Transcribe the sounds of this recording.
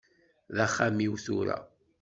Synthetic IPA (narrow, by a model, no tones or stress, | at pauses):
ðæχːamiwθuɾæ̰